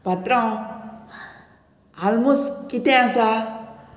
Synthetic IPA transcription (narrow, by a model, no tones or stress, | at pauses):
bʱat̪ɾaw̃ | almuskit̪ẽãsa